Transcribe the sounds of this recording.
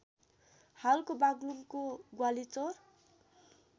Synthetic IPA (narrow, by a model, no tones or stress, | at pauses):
halkobaɡlumkoɡwalit͡sʌr